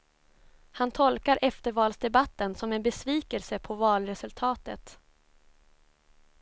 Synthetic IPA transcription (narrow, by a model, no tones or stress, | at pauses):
hant̪ʰɔlkaɾʔɛft̪əɾvɑːlsd̪ɛbat̪ːənsɔmɛnbɛsviːkəlsəpʰɔvɑːlɾɛsɵlt̪ʰɑːt̪ət̪